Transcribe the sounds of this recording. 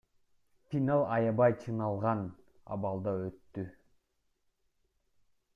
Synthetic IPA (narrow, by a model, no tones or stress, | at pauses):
fʲinalˠɑjɑbɑjt͡ʃʰɯnɑlˠʁɑnɑ̰βɑlˠd̪ɑøt̪ːy